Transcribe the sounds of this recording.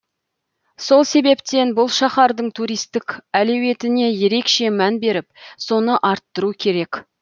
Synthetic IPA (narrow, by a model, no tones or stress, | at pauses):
so̞lˠse̞be̞pt̪e̞nbʊlˠʃɑχɑɾd̪əɴt̪ʰuɾijst̪ɪkælewe̞t̪ɪne̞je̞ɾe̞kʃe̞mænbe̞ɾɪp̚so̞nəʔɑɾt̪ːəɾukʲʰe̞ɾe̞k